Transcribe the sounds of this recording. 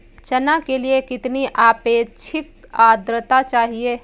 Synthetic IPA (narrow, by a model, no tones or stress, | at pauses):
t͡ʃɐnakeliekɪt̪niʔaːpeːt͡ʃʰɪkaːd̪ɾət̪at͡ʃaːɦie